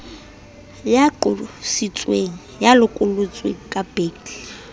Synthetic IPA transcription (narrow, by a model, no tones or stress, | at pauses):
jaǃʊsit͡sʼweŋ̩ | jalʊkʼʊlʊt͡sʼwḛkʼab̥eːkl